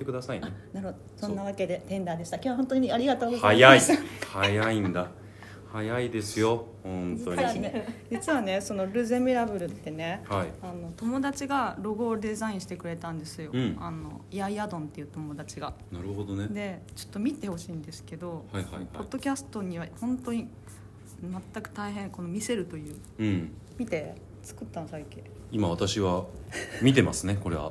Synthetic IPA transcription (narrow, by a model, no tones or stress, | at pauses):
t̪ekɯd̪asaiaenaɾɯhod̪osõnːaβ̞ake̞d̪e̞t̪ẽ̞nd̪aːd̪e̞ɕi̥t̪akʲoaɦõnt̪oɲ̟iiaɾʲiɡat̪o̞ːɡozajaihajaĩnd̪a | hajaid̪e̞sɨjohõnttioaed͡ʑit͡sɨβane̞so̞no̞ɾɯ̟zemiɾabɯ̟ɾɯ̟t̪ːe̞ne̞haiano̞t̪o̞mo̞d̪at͡ɕiɡaɾo̞ɡo̞d̪e̞zaĩɕi̥t̪e̞kɯ̟ɾe̞t̪ãnd̪e̞sɨjo̞ano̞̰iaiad̪õ̞nt̪ːe̞jiɯ̟ːt̪o̞mo̞d̪at͡ɕiɡanaɾɯ̟ɦod̪oned̪e̞t͡ɕo̞̥t̪ːo̞mʲit̪e̞ho̞ɕiːnd̪e̞sɨ̥ke̞d̪o̞haihao̞d̪ːo̞kʲasɨ̥t̪o̞ɲ̟iβahõ̞nt̪o̞ɲ̟i | mat̪ːakɯ̟̥t̪aiɦẽ̞ŋko̞no̞mʲise̞ɾɯ̟t̪o̞jɯ̟ː | ɯ̃ | mʲit̪e̞ | t͡sɨ̥kɯ̟t̪ːãnsaike | imaat̪aɕiβamʲit̪̬e̞ma̰sɨne̞ko̞ɾeβa̰